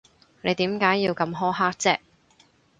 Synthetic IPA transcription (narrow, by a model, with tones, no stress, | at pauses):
ne˨˧jt̪iː˨˥mkaː˨˥jːiː˧wkɐ˧mɦɔː˥ɦaː˥k̚t͡sɛː˥